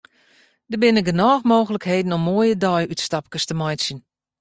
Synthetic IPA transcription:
dəbɪnəɡənɔːxmoːxələkheːdn̩ɔmːoːjədɔjytstɑp̚kəstəmɔjsjən

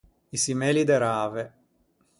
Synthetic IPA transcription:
isimɛːlid̪eɾaːve

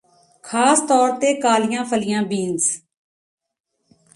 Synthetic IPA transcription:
kʰaːst̪ɔːɾt̪eːkaːlɪjãːpʰəlɪjãːbiːnz

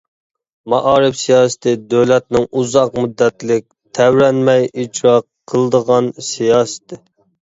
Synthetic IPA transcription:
mɑʔɑːɾɨfsijɑːsɨ̥t̪ʰɨd̪ølɛt̪̚nɪŋuzɑqmud̪ːɛt̪lɪk̚ʲ | t̪ʰɛwɾɛnmɛjʔit͡ʃɾɑqʰːəlˠəd̪əʁɑnsijɑːsɨ̥t̪ʰɨ

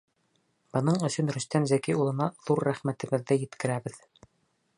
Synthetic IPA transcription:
b̥ɤ̆nɤɴɵ̆sɵnɾɵ̆st̪ænzækiulˠɤ̆nɑðuɾːæχmæt̪ɘ̆βɘ̆ðːɘjɘ̆t̪kɘ̆ɾæβɘð

